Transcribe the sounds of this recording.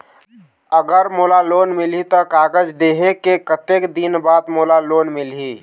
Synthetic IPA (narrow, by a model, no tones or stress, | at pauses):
əɡəɾmolalonmilit̪ɔkaːɡəd͡ʒd̪eɦekekət̪ekd̪inbaːd̪molalonmilɦi